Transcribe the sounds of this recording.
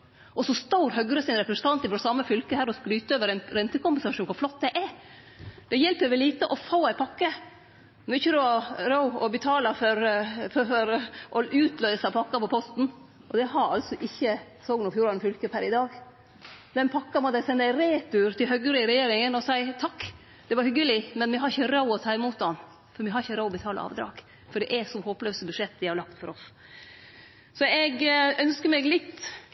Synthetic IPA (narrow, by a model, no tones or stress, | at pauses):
ʔɔsɔst̪ɑʊɾhœɡɾəsɪnɾɛpɾɛsənɑnt̪ɪfɾɔsɑmːəfʏlkəhæːɾɔskɾyːt̪əøːʋəɾɛnɾɛnt̪əkʊmpəɛnsɑʃuːnkʊɾflɔt̪̚ːd̪ɛʔɛ | d̪̥ɛjɛlpəʋɛliːt̪əʔɔfoːæɪpʰɑkːə | mɔɪçːəɾʉɑɾoʊɔbət̪ʰɑːlɑfɔɾfɔɔɾʔɔʔʉːt̪ʰlœʏsɑpʰɑkːɑpɔpʰɔst̪n̩ | ʔɔd̪ɛɦɑɾɑ̰lt̪sɔʔɪçːə | sɔːɡnʊfjuːɾɑnfʏlkəpʰæɾɪd̪ɑːɡ | d̪ɛnpʰɑkːɑmɔt̪d̪æsɛnːəæɪɾeːt̪ʉɾt̪ʰɪlhœɡəɾɪɪɾɛjeːɾɪŋənɔsæɪt̪ʰɑkː | d̪̥ɛʋɑɾhʏɡəlɪmɛnmɛɦɑɾɪçəɾɑʊɔt̪ʰɑːɪmuːt̪̚d̪ɑn | fɔɾmɪɦɑɾɪçəɾɑʊɔbət̪ʰɑːlə̰ɑ̰ːʋd̪ɾɑ̰ːɡ̥ | fɔɖɛʔæsɔmhoːplœːsəbʉʂɛt̪ːʋ̪ɪhɑɾlɑkt̪fɔɾʔɔf | sɔɛɡœnskəmɛɡlɪt̪ː